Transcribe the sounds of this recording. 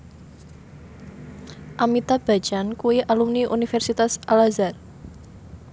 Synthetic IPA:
ʔamit̪ab̥a̤d̥ʒ̥ankuwiʔalumniʔṵnifɛrsit̪asʔalazar

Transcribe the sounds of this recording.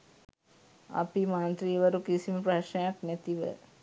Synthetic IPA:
ɐ̰pimaːnt̪ɾiʋɐɾukisiməpɾɐɕnɐjaknet̪iʋə̰

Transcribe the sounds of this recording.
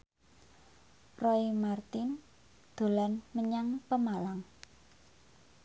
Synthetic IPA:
rɔimart̪ɪn | d̪̥o̤lanməɲaŋpəmalaŋ

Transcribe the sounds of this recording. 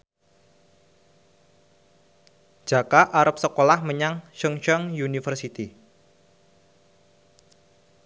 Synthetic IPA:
ʒ̥a̤kaʔaɾəp̚səkolahməɲaŋʃəŋʃɔŋjunifərsit̪i

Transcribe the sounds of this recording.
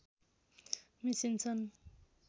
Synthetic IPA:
misint͡sʰʌn

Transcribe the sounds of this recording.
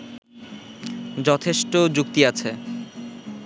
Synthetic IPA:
d͡ʑɔt̪ʰeʃʈod͡ʑukt̪iat͡ɕʰe

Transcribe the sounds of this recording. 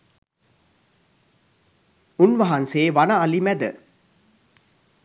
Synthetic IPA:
unʋɐɦɐnseːʋanaːlimæd̪ə

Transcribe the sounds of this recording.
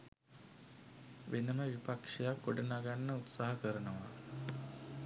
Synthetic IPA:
ʋʔenəməʋipakʂejakːoɖənaɡanːəut̪saɦəkəɾənəʋa̰

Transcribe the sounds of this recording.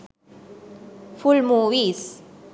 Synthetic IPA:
fulmuwiːs

